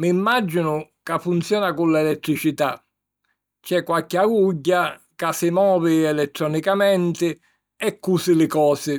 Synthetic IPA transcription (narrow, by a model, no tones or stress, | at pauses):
mimːad͡ʒːinʊkafːunt̪sjɔːnakulːɛlɛt̪ːɾit͡ʃit̪a̰ | t͡ʃɛkːwalkɪaɡuɟːa | kasːɪmɔːviɛlɛt̪ːɾɔnikamɛnt̪ɪ | ɛkːusɪlɪkɔːsɪ